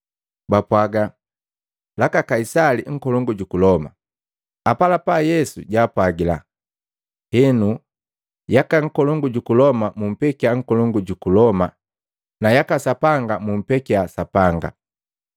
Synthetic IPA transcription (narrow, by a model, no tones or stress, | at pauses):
bapwaɡa | lakakaisaliŋ̩kɔlɔŋɡuɟukulɔma̰ | apalapajɛsṵɟaːpwaɡila̰ | hɛnu | jakaŋ̩kɔlɔŋɡuɟukulɔmamum̩pɛkiaŋ̩kɔlɔŋɡuɟukulɔma | najakasapaŋɡamum̩pɛkiasapaŋɡa̰